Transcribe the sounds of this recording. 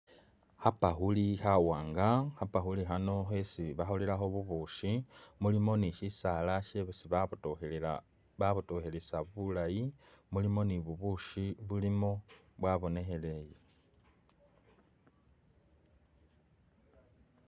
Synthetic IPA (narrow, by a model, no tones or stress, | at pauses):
hapaxulixawaːŋɡaxapaxulixano̞xesiβaxolilaxo̞βuβuʃimulimo̞niʃisaːlaʃeβsiβ | βaβutoxelesaβulajimulimo̞niβuβuʃiβulimo̞ | βwaβo̞ne̞xe̞le̞je